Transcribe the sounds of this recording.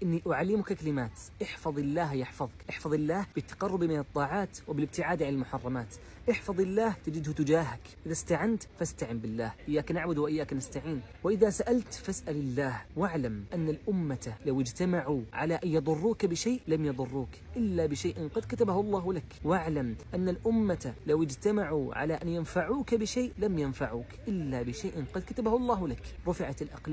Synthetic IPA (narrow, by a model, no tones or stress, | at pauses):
ʔɪnːiʔʊʕalːɪmʊkakalɪmaːt̪ʔɪħfɑðˤɪlːaːɦjɪħfɑðˤkʔɪħfɑðˤɪlːaːhb̥ɪt̪ːḁqɑrˤːʊbmɪnɨt̪ˤːɑːʕɑːt̪wɪbɪlɪb̚t̪ɪʕaːd̪ʕanɪlmʊħɑrˤːɑmaːt̪ | ʔɪħfɑðˤɪlːaːht̪ad͡ʒɪd̪hʊt̪ʊd͡ʒaːɦak | ʔɪðast̪aʕant̪fast̪aʕɪmbɪlːaːhʔɪjːaːknaʕbʊd̪wɪʔɪjːaːknast̪aʕiːnwɪʔɪðasaʔalt̪fasʔalɪlːaːhwaʕlamʔanːalʔʊmːat̪alawɪd͡ʒt̪amaʕuʕa̰laʔanjɑðˤʊrˤːuːkabɪʃaːʔlamjɑðˤʊrˤːuːkʔɪlːabɪʃaːʔɪnqɑd̪kat̪abahʊlˤːɑːhlakwaʕlamʔanːalʔʊmːat̪lawɪd͡ʒt̪amaʕuʕa̰laʔanjanfaʕuːkabɪʃaːʔlamjanfaʕuːkʔɪlːabɪʃajʔɪnqɑd̪̚kat̪abahʊlˤːɑːhlakɾˤʊfɪʕat̪lʔɑ̰qlː